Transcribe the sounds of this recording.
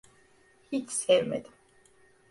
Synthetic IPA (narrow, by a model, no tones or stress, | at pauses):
hit͡ʃsɛvmḛd̪im